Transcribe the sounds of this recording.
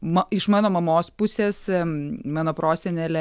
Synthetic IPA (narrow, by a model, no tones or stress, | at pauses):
mɑɪʃmɑːnoːmɐmoːspʊsʲeːsmɑːnoːpɾoːsʲɛnʲɛlʲɛ